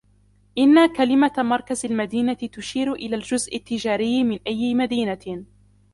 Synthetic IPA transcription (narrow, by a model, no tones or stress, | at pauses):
ʔɪnːakalɪmamɑɾˤkazalmad̪iːnat̪ɪt̪ʊʃiːɾʊʔɪlald͡ʒʊzʔɪt̪ːɪd͡ʒaːɾɪjːmɪnʔajːɪmad̪iːna